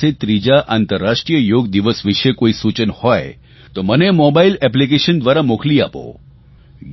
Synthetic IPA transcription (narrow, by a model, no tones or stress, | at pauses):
et̪ɾid͡ʒaʔant̪əɾːaʂʈɾijəjoɡd̪iʋəsʋiʃekoisut͡ʃənhɔe | t̪omənemɔbailɛp̬lik̬eʃənd̪ʋaɾamokʰlia̰po̰